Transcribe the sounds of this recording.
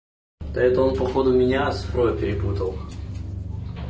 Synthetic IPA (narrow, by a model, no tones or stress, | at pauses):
t̪ɐɛt̪əonpɐxod̪ʊmʲɪnʲaɐsfɾojʊpʲɪɾʲɪput̪əlˠ